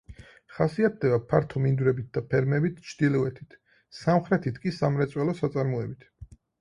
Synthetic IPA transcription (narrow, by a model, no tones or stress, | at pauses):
χasiat̪̚d̪ɛbapʰaɾt̪ʰɔmind̪ɾɛbit̪̚ʰd̪apʰɛɾmɛbit̪ʰt͡ʃʰd̪ilɔɛt̪ʰit̪ʰ | samχɾɛt̪ʰit̪ʰkʼisamɾɛt̪sʼwɛlɔsat̪sʼaɾmuɛbit̪ʰ